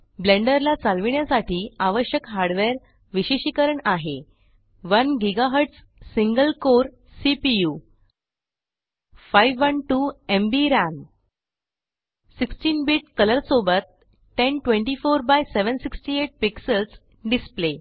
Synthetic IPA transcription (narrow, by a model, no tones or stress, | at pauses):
blẽɳɖəɾlat͡salʋiɳjasaʈʰiːaʋəɕjəkɦaɾɽʋeɾ | ʋiɕiɕikəɾəɳaɦe | ʋənɡiɡaɦəɾʈs | siŋɡəlkoɾ | sipiju | fajʋːənʈuembiɾan | siksʈiːnbiʈ̚kələɾsobət̪̚ː | enʈʋẽɳʈifoɾbajseʋənsiksʈieʈ̚piksəls | ɖisple